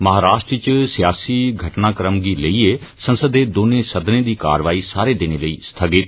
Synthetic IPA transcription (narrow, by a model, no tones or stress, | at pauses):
məɦaːɾaːʃʈɾt͡ʃsɪjaːsiːɡʱəʈnaːkəɾəmɡiːləiːeːsə̃nsəd̪eːd̪oːnẽːsəd̪nẽːd̪iːka̰ːɾʋaːiːsaːɾeːd̪ɪneːləiːst̪ʰəɡɪt̪